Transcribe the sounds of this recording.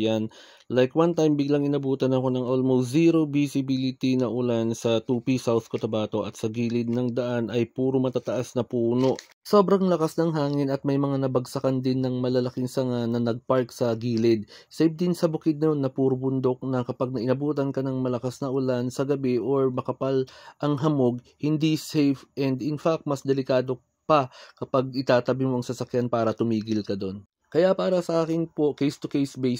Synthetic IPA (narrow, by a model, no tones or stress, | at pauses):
jan | lajkwant̪ajmbɪɡlɐŋɪnɐbuːt̪ɐnɐko̞nɐŋʔolmolziːɾobisɪbilɪt̪inɐʔʊlansɐt̪uːpisawθkot̪ɐbaːt̪o̞ʔɐ̰t̪sɐɡiːlɪd̪̚nɐŋd̪ɐʔanɐjpuːɾo̞mɐt̪aːt̪ɐʔasnɐpuːno̞ʔ | so̞ːbɾɐŋlɐkasnɐŋɦaːŋɪnɐt̪̚mɐjmɐŋanɐbɐɡsɐkɐnd̪ɪnːɐŋmɐlɐlɐkɪŋsɐŋanɐnɐɡ̚paɹksɐɡiːlɪd̪̚sɛjb̚d̪ɪnsɐbʊkɪd̪̚nɐjo̞nːɐpuɾʊbʊnd̪ok̚nɐkɐpaɡ̚nɐʔɪnɐbuːt̪ɐnkɐnɐŋmɐlɐkasnɐʔʊlansɐɡɐbɛʔoɹmɐkɐpalʔɐŋɦɐmoɡ̚ | hɪnd̪isɛjfʔɛnd̪ɪnfak̚t̪̚mɐsd̪ɛlɪkaːd̪o̞ | pɐkɐpaɡ̚ʔɪt̪aːt̪ɐbimoʔɐŋsɐsɐkjanpaːɾɐt̪ʊmiːɡɪlkɐd̪o̞n | kɐjapaːɾɐsɐʔaːkɪnpo̞kejst̪ʊkejsbej